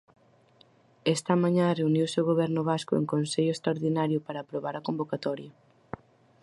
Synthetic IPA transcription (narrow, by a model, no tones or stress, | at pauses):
ɛst̪ɐmãɲãreuniwseʊɣoβɛɾnʊβaskʊḛŋkonseʎʊest̪ɾaoɾðinaɾjʊpaɾaːpɾoβaɾɐkombokat̪ɔɾjɐ